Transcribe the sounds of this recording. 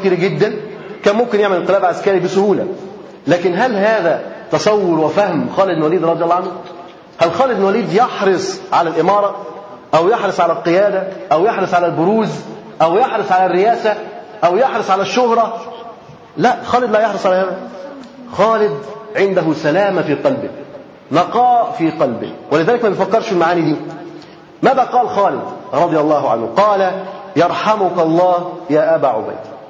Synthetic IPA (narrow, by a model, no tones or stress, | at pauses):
kt̪iːɾæɡɪd̪ːæn | kæːnmʊmkɪnjeʕmælɪlqelæːblʕaskæːɾibɪsʊhuːlæ | læːkɪnɦælɦæːðæt̪ɑsˤɑwːʊɾwɪfæhmxɑːlɪd̪nwæliːd̪ɾˤɑd̪ijɑlːɑːʕanhu | hælxɑːlɪd̪nwæliːd̪jeħɾɨsˤʕalælʔɪmɑːɾˤɑ | ʔæwjeħɾˤɨsˤʕalælqejæːd̪æʔæwjeħɾɨsˤʕalælbʊɾuːz | ʔæwjeħɾɨsˤʕalærːɪjæːsæʔæwjɑħɾɨsˤʕalæʃːʊhɾˤɑ | læʔxɑːlɪd̪læːjɑħɾɨsˤʕalæːhaðæ | xɑːlɪd̪̚ʕɪnd̪æɦʊsælæːmæfiːqɑlbɪ | nɑqɑːfiːqɑlbɪ̰hwælɪðæːlɪkmæbejfækːɑɾˤʃfɪlmaʕaːniːd̪iː | mæːðæːqɑːlxɑːlɪd̪ɾˤɑd̪ˤɪjɑlˤːɑːɦʕa̰nhʊqɑːlæjɑɾˤħamʊkɑlˤːɑːhjæːʔæbæːʕʊ̰bæ̰jd̪